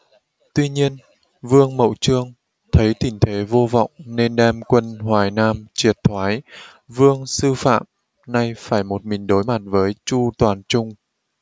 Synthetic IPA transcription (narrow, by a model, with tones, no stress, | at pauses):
t̪wi˧ɲi˧ən | vɨ˧əŋmə̰˧˨wt͡ɕɨ˧əŋ | t̪ʰə˨˦jt̪i˧˩ŋt̪ʰe˨˦vo˧vɔ̰˧˨wŋ͡mne˧nɗɛ˧mkwə˧nhwaː˨˩jnaː˧mt͡ɕi˨˩ət̚t̪ʰwaː˨˦j | vɨ˧əŋsɨ˧fa̰ː˧˨m | na˧jfaː˧˩jmo˨˩t̚mï˨˩ŋ̟ɗo˨˦jma˨˩t̚vəː˨˦jt͡ɕu˧t̪waː˨˩nt͡ɕʊ˧ŋ͡m